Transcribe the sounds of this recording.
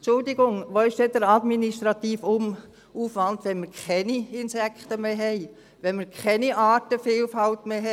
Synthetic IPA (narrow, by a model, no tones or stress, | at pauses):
t͡ʃʊldɪɡʊŋʋoɪʃd̥ɛdəɾɑdminiʃtɾɑt̪iːfʊm | uːfʋɑnd̪ʋɛnməɾkʰɛniɪnsɛkχt̪əmeːɦɛɪ | ʋɛnməɾkʰɛniʔɑːtəfiːlfɑltmeɦɛ